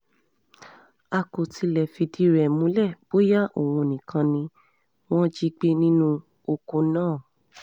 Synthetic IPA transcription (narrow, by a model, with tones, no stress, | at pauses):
a˧ko˨ti˧lɛ˨fi˧di˨˦ɾɛ˨mũ˦lɛ˦˨b̥o˦ja˦ʔo̰˨w̃ũ˧o˨nĩ˨kʰã˧nĩ˧ | w̃ɔ̃˦d͡ʒi˦ɡ͡be˦nĩ˦nũ˦ | o˧ko˧nãː˦˨